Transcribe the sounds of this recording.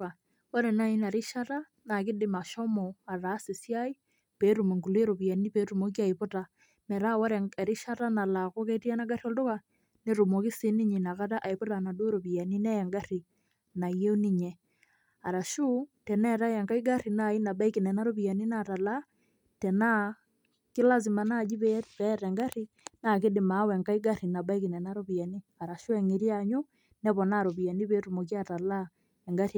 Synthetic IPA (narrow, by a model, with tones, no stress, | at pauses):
a˨ | wɔ˦ɾɛ˨na˦i˦na˨ɾi˦ʃa˦ta˦ | na˨kɪ˦dɪ˦ma˨ʃɔ˦mɔ˨a˨ɾa˨˦si˨sja˦i˦ | pe˨˦ɾu˨mo˨ŋɡu˨le˦ɾo˨pi˨ja˨ni˦pe˨˦tu˨mo˦k̬i˦a˨i˨po˦ta˨ | mɛ˨ɾa˦wa˦ɾɛ˨ɾi˦ʃa˦ta˦na˨la˨ko˦ke˦ti˦a˦na˦ɡa˦ɾi˦ɔ˨ldo˦ka˨ | ne˦ɾo˨mo˨ki˦sɪ˦ni˦ɲi˨na˨ka˦ta˦ʔa˨i˨po˦ta˨na˨do˦ɾo˨pi˨ja˨ni˦nɛ˦ja˨ŋɡa˦ri˨ | na˨je˦ni˦ɲɛ˨ | a˨ɾa˨ʃu˦tɛ˨nɛ˦ɾa˦jɛ˨ŋɡa˦i˦ɡa˦ɾi˨na˦˨i˦na˨ba˦i˦kɪ˨nɛ˨na˦ɾo˦bi˨ja˨ni˦na˨ta˨la˦ | tɛ˨na˦ | kɪ˦la˦s̬i˨ma˨na˦˨d͡ʒi˦bɛ˦pɛ˦ɾɛ˨ŋɡa˦ri˦ | na˨kɪ˦dɪ˨ma˨˦wɛ˨ŋɡa˦i˦ɡa˦ɾi˨na˨ba˦i˦ki˨nɛ˨na˦ɾo˦bi˨ja˨ni˦a˨ɾa˨ʃʊ˦ɛ˨ŋi˨ɾi˦a˨ɲʊ˦ | nɛ˦bɔ˨na˦˨ɾo˨bi˨ja˨ni˦be˦tu˨mo˨k̬i˦a˦˨ta˨la˦ | ɛ˨ŋɡa˦ɾi˦˨